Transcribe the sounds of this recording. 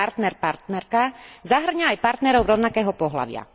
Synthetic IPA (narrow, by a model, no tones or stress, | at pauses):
aɾt̪nɛɾpaɾt̪nɛɾkazaɦr̩ɲaːjpaɾt̪nɛɾɔʊɾɔʊnakɛːɦɔpɔɦla̰ʋɪa̰